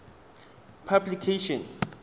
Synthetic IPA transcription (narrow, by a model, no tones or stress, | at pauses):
pʰablikʰeʃɔ̃n